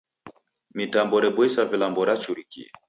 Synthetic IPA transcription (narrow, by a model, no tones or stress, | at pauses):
mitambɔɾɛbwisavilambɔɾat͡ʃuɾikḭ